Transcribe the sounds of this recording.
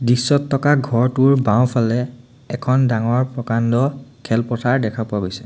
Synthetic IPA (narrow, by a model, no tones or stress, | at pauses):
disːɔtʰːɔkaɡʱɔɹtʊɹbaw̃pʰalɛ | ɛkʰɔndaŋɔɹpɹɔkandɔkʰɛlpɔtʰaɹdɛkʰapʊaɡojsɛ̥